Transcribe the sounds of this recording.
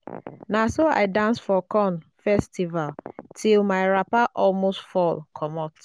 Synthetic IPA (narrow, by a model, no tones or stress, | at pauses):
nasoa̰ɪdãnsfɔkɔ̃nfɛstivaltʰilmaɪɹapaʔɔlmostfɔlkʰɔmɔt